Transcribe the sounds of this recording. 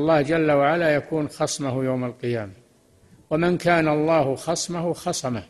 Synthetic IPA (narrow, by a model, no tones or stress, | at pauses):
lˤːɑːhd͡ʒalːawaʕalajakuːnxɑsˤmahjawmalqɨjaːma | wamɪnkaːnaɑlˤːɑːhxɑsˤmahuxɑsˤɑma